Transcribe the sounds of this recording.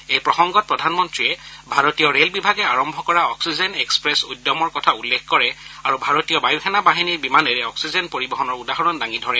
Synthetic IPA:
ejpɹɔxɔŋɡɔt̚pɹɔdʱanmɔntɹiɛbʱaɹotijɔɹelbibʱaɡɛaɹɔmbʱɔkɔɹaɔksizenekspɹɛsudːɔmɔɹkɔtʰaulːekkɔɹɛaɹubʱaɹotijɔbajuxʰɛnabaɦiniɹbimanɛɹɛɔksizenpoɹibɔɦɔnɔɹudaɦɔɹɔndaŋidʱɔɹɛ

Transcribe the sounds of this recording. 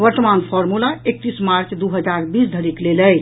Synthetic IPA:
ʋəɾt̪əmanpʰɔɾmulaek̚t̪ismaɾt͡ʃd̪uɦəd͡ʒaɾbisd̪ʱəɾikleləjt͡ʃʰ

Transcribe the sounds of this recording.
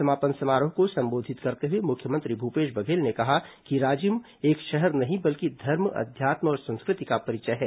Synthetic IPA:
sɐmaːpənsɐmaːɾõkosɐ̃mboːd̪ʱɪt̪kɐɾt̪eɦuemʊkʰːjəmə̃nt̪ɾibʱuːpeːʃbɐɡʱeːlnekɐɦakiɾaːd͡ʒim | eːkʃɛɦɛɾnɐɦĩbɐlkid̪ʱɐɾmɐ̰d̪ʱjaːt̪mɔːɾsɐ̃nskɾɪt̪ikapɐɾɪt͡ʃəɦɛː

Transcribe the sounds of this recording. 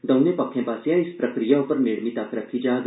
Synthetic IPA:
d̪ɐwnepɐkʰːẽpasjãispɾɐkɾijaupəɾniɽmit̪akɾət̪ʰid͡ʒad̪

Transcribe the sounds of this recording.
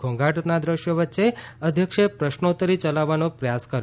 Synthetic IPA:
ɡʱõŋɡʱaʈnad̪ɾəʃjoʋətːʃeəd̪ʱjəkʃepɾəʃnot̪əɾit͡ʃəlaʋːanopɾəjaskəɾj

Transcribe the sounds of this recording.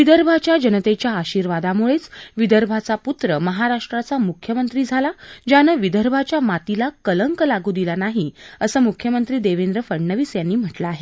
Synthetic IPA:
ʋid̪əɾbʱat͡ɕjad͡ʑənət̪et͡ɕjaːɕiːɾʋad̪amuɭet͡sʋid̪əɾbʱat͡saput̪ɾəməɦaɾaʂʈɾat͡samukʰjəmənt̪ɾiːd͡zʱalad͡ʑanəʋid̪əɾbʱat͡ɕjamat̪ilakələŋkəlaɡuːd̪ilanaɦiəsəːmukʰjəmənt̪ɾiːd̪eʋend̪ɾəfəɽɳəʋiːsjanːiːm̤əʈlaːɦe

